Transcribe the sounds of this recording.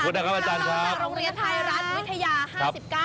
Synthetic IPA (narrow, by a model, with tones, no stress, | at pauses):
uː˧˩t̚na˦˩kʰa˦˥pʔaː˧t͡ɕaː˧nkʰɾa˦˥p̚ɾoː˧ŋɾi˧ənt̪ʰa˧jɾa˦˥t̪̚wi˦˥t̪ʰːa˧jaː˧haːkʰɾa˦˥si˨˩p̚kaː˥˩